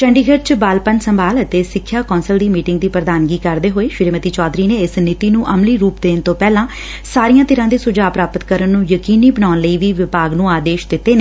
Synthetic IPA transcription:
t͡ʃəɳɖiːɡʱəɾt͡ʃbaːlpənsəmbaːlət̪eːsɪkʰːjaːkɔːnsəld̪iːmiːʈɪŋɡ̚d̪iːpɾəd̪aːnɡiːkəɾd̪eːɦoːeːʃɪɾeːmət̪iːt͡ʃɔːd̪ɾiːneːɪsnɪt̪iːnũːʔəmliːɾuːpd̪eːnt̪õːpɛːlãː | saːɾijãːt̪ɪɾãːd̪eːsʊd͡ʒaːpɾaːpət̪kəɾənːũːjəkiːniːbənaːnləiːʋiːʋɪbaːɡnũːaːd̪eːʃd̪ɪt̪ːeːneː

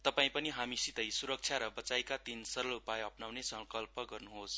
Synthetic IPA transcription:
t̪ʌpaĩpʌniɦamisit̪ʌjsuɾʌk̚t͡sʰjaɾʌbʌt͡sajkat̪insʌɾʌlupajʌpnawnesʌŋkʌlpʌɡʌrnuɦos

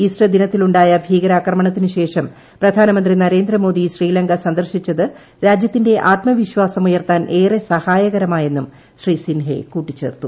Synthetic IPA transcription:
isʈɐd̪inɐt̪ːiluɳɖaːjɐbʱiːɣɐɾaːkrɐmɐɳɐt̪ːinɨɕe̞ːʂɐm | prɐd̪ʱaːnɐmɐnd̪rinɐɾe̞ːnd̪rɐmo̞ːd̪iɕriːlɐŋɡɐsɐnd̪ɐrɕit͡ɕːɐðɨ | ɾaːd͡ʑjɐt̪ːinde̞ʔaːt̪mɐʋiɕwaːsɐmujɐrt̪aːnʔe̞ːresɐhaːjɐɣɐɾɐmaːje̞nːum | ɕriːsinɦḛkuːʈːit͡ɕːe̞̰ːrt̪ːu

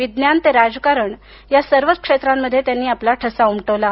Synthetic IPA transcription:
ʋid̪njant̪eɾad͡zkaɾəɳ | jasəɾʋət͡skʂet̪ɾamːəd̪ʱːjet̪janːiːaplaʈʰəsaumʈəʋla

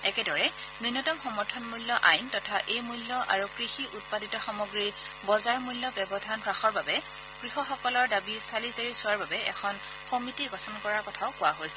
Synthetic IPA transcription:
ɛkɛdɔɹɛninɔtɔmxɔmɔɹtʰɔnmulːɔʔajntɔtʰaʔejmulːɔʔa̰ɹukɹixiʔut̚paditɔxɔmɔɡɹi | bɔzaɹmulːjɔbɛbɔdʱanpɹaxɔɹbabɛ | ɡ̥ɹixɔxɔkɔlɔɹdabisalizaɹisʊaɹbabɛɛkʰɔn | xomitiɡɔtʰɔnkɔɹaɹkɔtʰaʊkʊwaɦojsɛ̥

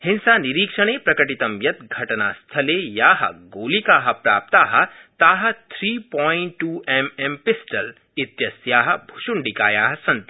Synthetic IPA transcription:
hɪnsaniɾiːkʂɐɽ̃eːpɾɐkəʈit̪ɐmjɐt̪̚ɡʱɐʈna̰st̪ʰɐlejaːɦɐ̰ɡoːlikaːɦɐpɾa̰ːp̚t̪aːɦɐ̆t̪aːɦɐ̆t̪ʰɾiːpɔːɪɳʈːuːɛmɛmpɪsʈɐl | ɪt̪jɐsjaːɦɐ̆bʱʊʃʊɳɖikaːjaːɦɐsɐnt̪

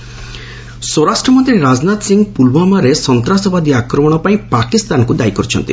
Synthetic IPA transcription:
sɔɾasʈɾɔmɔnt̪ɾiɾad͡ʒnat̪siŋɡpulbamaɾesɔnt̪ɾasɔbad̪iakɾɔmɔɽ̃ɔpaĩpakist̪ankud̪ajkɔɾut͡ʃʰɔnt̪ḭ

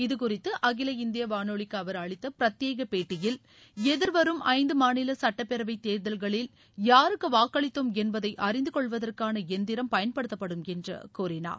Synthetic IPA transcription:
ɪðɯkʊrɪt̪ːɯʔɐɣɪlɐɪnd̪ɪjɐʋaːnoːɭɪkːɯɐʋɐɾɐɭɪt̪ːɐpɪɾɐt̪jeːɣɐpeːʈːɪjɪl | ɛðɪɾʋɐɾɯmʔɐɪnd̪ɯmaːnɪlɐsɐʈːɐpːɛɾɐʋɐɪt̪ːeːɾðɐlɣɐɭɪl | jaːɾɯkːɯʋaːkːɐɭɪt̪ːomɛnbɐðɐɪʔɐrɪnd̪ɯkɔɭʋɐðɐrkaːnɐɛnd̪ɪɾɐmpɐjɐnpɐɽɯt̪ːɐpːɐɽɯmɛndrɐ̰kuːrɪna̰ːɾ

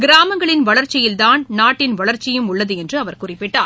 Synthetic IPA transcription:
ɡɪɾaːmɐŋɡɐɭɪnʋɐɭɐɾt͡ʃːɪjɪlt̪aːnnaːʈːɪnʋɐɭɐɾt͡ʃːɪjɯmʊɭːɐðɯɛndrɯɐʋɐɾkʊrɪpːɪʈːaːɾ

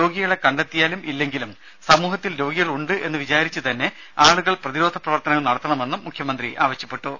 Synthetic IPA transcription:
ɾo̞ːɡiɣɐɭe̞kɐɳɖet̪ːijaːlumilːe̞ŋɡilum | sɐmuːɦɐt̪ːilɾo̞ːɡiɣɐɭuɳɖɨe̞nːɨʋit͡ɕaːɾit͡ɕːɨt̪ɐnːe̞ | aːɭuɣɐɭprɐðiɾoːd̪ʱɐprɐʋɐrt̪ɐnɐɣɐɭnɐɽɐt̪ːɐɳɐme̞nːumːukʰjɐmɐnd̪riʔaːʋɐɕːɐpːe̞ʈːu

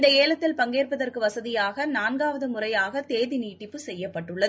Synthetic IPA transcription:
ɪnd̪ɐeːɭɐt̪ːɪlpɐŋɡeːrpɐðɐrkɯʋɐsɐðɪjaːɣɐnaːnɡaːʋɐðɯmʊrɐjaːɣɐt̪eːðɪniːʈːɪpːɯsɛjːɐpːɐʈːɯɭːɐðɯ

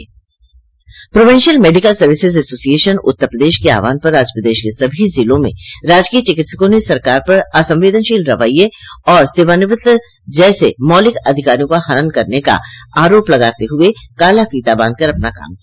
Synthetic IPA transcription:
pɾoːʋɪ̃ːnʃəlmeːɖɪkəlsɐɾʋɪsɪzɛsoːsijeːʃənʊ̰t̪ːəɾpɾəd̪eːʃkea̰ːʋa̰ːnpɐɾːaːd͡ʒjəpɾəd̪eːʃkesɐbʱizɪlõmḛ̃ɾaːd͡ʒkiːət͡ʃɪkɪt̪sə̥kõnesɐɾkaːɾpɐɾasɐ̃mʋeːd̪ənʃiːlɾɐʋaːijeɔːɾseːʋaːnɪʋɪt̪ | d͡ʒɛːsemɔːlɪkɐd̪ʱɪkaːɾijõkahɐɾənkɐɾneka̰aːɾoːplɐɡaːt̪eɦʊekaːlafiːt̪abə̃ːnd̪̚kɐɾɐpnaka̰ːmkia

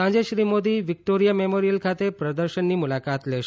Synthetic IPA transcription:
ãd͡ʒeʃɾimod̪iʋɪk̚ʈoɾijamemoɾijəlkʰat̪epɾəd̪əɾʃənːimulakat̪leʃ

